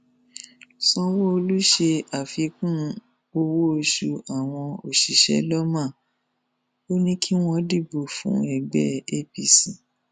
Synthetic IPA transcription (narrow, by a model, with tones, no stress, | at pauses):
sɔ̃˧wo˦o˧lu˦ʃe˧a˨fi˧kũ˦ | o˧wo˦o˧ʃu˧a˨w̃ɔ̃˧o˨ʃi˨ʃɛ̰˨˦lɔ˦mã˦˨ | o˦nĩ˦kʰi˦w̃ɔ̃˧˦di˦˨bo˨fṵ̃˨˦ɛ˨ɡ͡bɛ˦e˦pi˧˨si˨